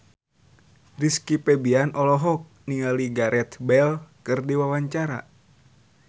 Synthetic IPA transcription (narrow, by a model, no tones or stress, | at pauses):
riskipɛbianʔɔlɔɦɔk̚niŋaliɡaɾʔɛt̪bɛlkɨrdiwawaɲt͡ʃaɾa̰